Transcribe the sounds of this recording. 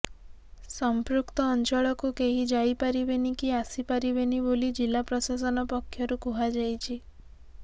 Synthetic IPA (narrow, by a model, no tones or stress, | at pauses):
sɔmpɾukt̪ɔːnt͡ʃɔɭɔkukeɦid͡ʒajpaɾibenikiasipaɾibenibolid͡ʒilapɾɔsas̬ɔnɔpɔkʰːjɔɾukuɦad͡ʒajt͡ʃʰi